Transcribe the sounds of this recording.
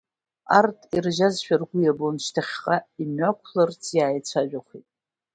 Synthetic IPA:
artʰʼirʒazʃᶣarɡʷʊjabonʃtʰaχʲqʼaimɥakʷʰlart͡sʰjaːjt͡sʷʰaʒᶣaχʷitʼ

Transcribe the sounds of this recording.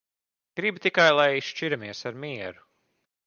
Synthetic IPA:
ɡ̥ɾibit̪ikajlˠajiʃʃt͡ʃiɾamiɛsaɾmiɛɾu

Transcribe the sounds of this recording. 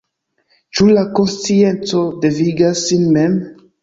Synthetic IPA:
t͡ʃulako̞nst͡sie̞nt͡so̞de̞viɡasːinmem

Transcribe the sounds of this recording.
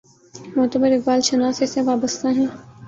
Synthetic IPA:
mɔt̪əbəɾɪk̚baːlʃɐnaːseseʋaːbəst̪aɦɛ̃ː

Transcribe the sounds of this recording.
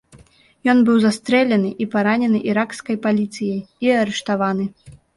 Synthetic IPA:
jɔnbɨwzast̪ɾɛlʲɛnɨʔipaɾanʲɛnɨʔiɾakskɐjpalʲit̪sɨjɐjiɐɾɛʂt̪avanɨ

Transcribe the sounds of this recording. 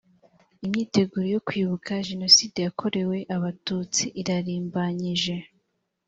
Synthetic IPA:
imɲiːte̞ɡuːɾojo̞kwiːβukʰaʒe̞no̞siːde̞jakʰo̞ɾe̞we̞ʔaβatuːt͡siʔiɾaɾiːmbaɲiʒe̞

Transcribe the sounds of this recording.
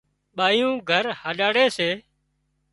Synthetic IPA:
ɓaːjũːɡʱəɾhaːɗaːɽeːseː

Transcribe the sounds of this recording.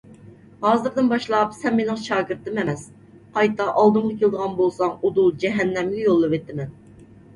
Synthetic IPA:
hɑːzɨɾd̪ɪnbɑʃlˠɑpsɛnmenɪŋʃɑːɡɨɾt̪ɨmɛmɛs | qɑjt̪ɑʔɑlˠd̪ɨŋʁɑkʲelɨd̪əʁɑnbolˠsɑŋud̪ud͡ʒɛɦɛnːɛmɡʲɛjolˠːɨvet̪ːɪmɛn

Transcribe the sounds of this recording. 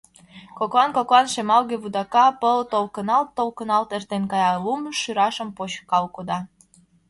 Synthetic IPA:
koklɑnkoklɑnʃemɑlɣeβud̪ɑkɑpəlt̪olkənɑlt̪ːolkənɑlt̪ert̪enkɑjɑlumʃyɾɑʃəmpoɕkɑlkod̪ɑ

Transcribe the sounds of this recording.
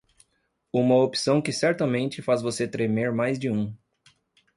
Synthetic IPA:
ũmɐopi̥sɐ̃w̃kɪsɛɾt̪ɐmẽnt͡ʃɪfazvoset̪ɾemeɾmajzd͡ʒɪũ

